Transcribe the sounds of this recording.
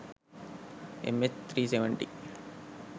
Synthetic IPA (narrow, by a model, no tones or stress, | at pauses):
ḛmest̪ʰɾiːseʋəɳʈi